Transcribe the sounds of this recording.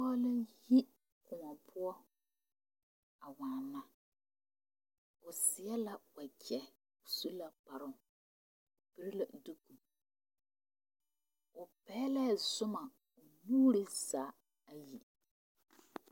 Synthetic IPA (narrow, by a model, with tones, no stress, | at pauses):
ɔ˦lɪ˦ji˦ | kʊ˨ŋɔ˨pʰʊ˦ɔ˦ | a˨wa˨nːa˦ | ʊ˨sɪ˨˦ɛ˦la˦wa˨kɛ˨ | su˦la˦pa˨ɾʊ˦˨ŋ˨ | bɪ˦ɾɪ˦la˨du˦ku˨ | ʊ˨pɛː˦lɛ˦˨zʊ˦ma˨ | ʊ˨nuː˦ɾɪ˦zaː˨˦ | a˨ji˨